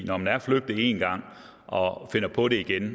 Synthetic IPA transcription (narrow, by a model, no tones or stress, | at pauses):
nɒmdæɐfløɡ̥̚d̥ie̝nɡ̥ɑ̈ŋ̰ | ɒfe̝n̰ɐpʰɒ̽ɾe̝iɡ̥en